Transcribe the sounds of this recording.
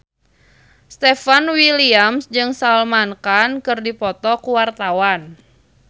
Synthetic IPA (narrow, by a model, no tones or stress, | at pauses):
st̪ɛfanwiliamsd͡ʒɨŋsalmankankɨrdipɔt̪ɔkuwart̪awan